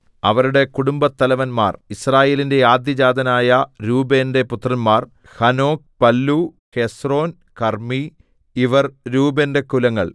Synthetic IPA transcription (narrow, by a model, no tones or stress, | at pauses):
ɐʋɐɾuɽe̞kuɽumbɐt̪ːɐlɐʋɐnma̰ːrisraːje̞ːlinde̞aːd̪jɐd͡ʑaːd̪ɐnaːjɐɾuːbe̞ːnde̞put̪rɐnmaːr | hɐno̞ːk̚pɐlːu | he̞sro̞ːn | kɐrmi | iʋɐrɾuːbende̞kulɐŋːɐ̰ɭ